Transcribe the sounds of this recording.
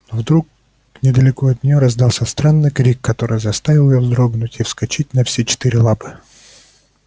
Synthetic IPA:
vd̪ɾuk | nʲɪd̪əlʲɪkoɐt̪̚nʲɪjoɾɐzd̪ɑlˠsʲɐst̪ɾanːɨjkɾʲikːɐt̪o̞ɾɨjzɐst̪avʲɪlˠjɪjozd̪ɾoɡnʊtʲifskɐt͡ɕit̚ʲnɐfsʲet͡ɕɪ̥t̪iɾʲɪlˠapɨ̥

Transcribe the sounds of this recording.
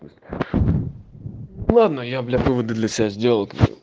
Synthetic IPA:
lˠad̪nəjab̪lʲavɨvəd̪ɨd̪lʲɐsʲɪbʲazʲdʲelˠkv̰

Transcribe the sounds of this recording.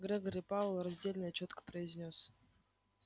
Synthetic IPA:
ɡɾʲɛɡoɾʲipavlˠrɐzʲdʲelʲnɨjət͡ɕot̪kə̥pɾəɪzʲnʲo̞s

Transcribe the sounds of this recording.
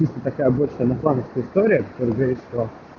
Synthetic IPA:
ist̪ət̪ɐkajəbolʲʂəjənɐflˠanəfskəjəɪst̪oɾʲɪjəkɐ̥t̪oɾəjɡɐɾit̪st̪o

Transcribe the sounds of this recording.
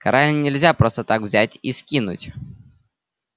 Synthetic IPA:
kɐɾalʲnʲɪlʲzʲapɾo̞st̪ət̪akvzʲætʲiskʲinʊ̰tʲ

